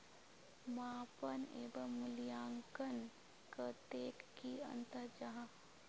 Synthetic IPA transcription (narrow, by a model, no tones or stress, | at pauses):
maːpənḛːbəmʊljaːŋkən | kət̪eːkːiə̰nt̪əɾd͡ʒaɦã